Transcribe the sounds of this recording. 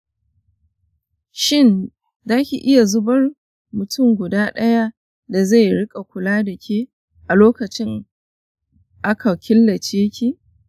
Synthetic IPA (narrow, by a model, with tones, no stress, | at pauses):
ʃɪ˦˨n | zaː˦kʲi˨ʔɪ˦ja˨zʊ˦bɐ˦r | mʊ˨tʰʊ˦˨ŋɡʷʊ˨daː˦ɗɐ˦ja˦ | da˨za˦˨jɽɪ˦kʼa˨kʷʊ˨laː˦dɐ˨kʲeː˦ | ʔa˨loː˦kɐ˨t͡ʃɪ˦ŋ | ʔa˦kʰa˨kʲɪ˦lːɐ˨t͡ʃeː˦kʲi˦